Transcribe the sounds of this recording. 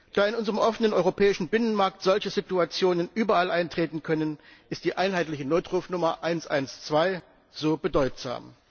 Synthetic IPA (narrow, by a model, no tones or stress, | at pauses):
d̥aːɪnʔʊnzəʁəmʔɔfənənʔɔʏʁopʰɛːɪʃn̩bɪnənmaɐk̚tz̥ɔlçəzituat͡sjoːnənʔyːbɐalʔaɪntʁ̥eːtn̩kʰœnənʔɪst̚d̥iːʔaɪnɦaɪtlɪçənoːtʁuːfnʊmɐʔaɪnsʔa̰ɪnst͡sv̥aɪ | z̥oːbədɔʏtz̥a̰ːm